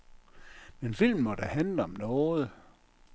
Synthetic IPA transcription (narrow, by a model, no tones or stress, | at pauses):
menfil̰m̩mɒd̥æhænləɒ̽mnɔːð̩ˠ